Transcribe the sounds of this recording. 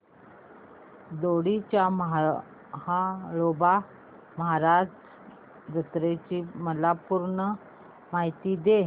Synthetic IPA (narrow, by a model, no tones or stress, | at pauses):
d̪oɽit͡ɕjaməɦ | haɭoba | məɦaɾa | d͡zət̪ɾet͡ɕiːməlapuɾɳə | maɦit̪iːd̪e